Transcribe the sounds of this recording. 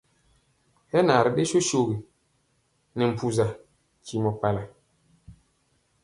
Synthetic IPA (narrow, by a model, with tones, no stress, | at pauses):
hɛ˦na˨ɾɗe˦ʃo˦ʃo˨ɡe˨ | nɛ˨m̩˨pu˨za˨ | ci˨mɔ˨pa˨la˨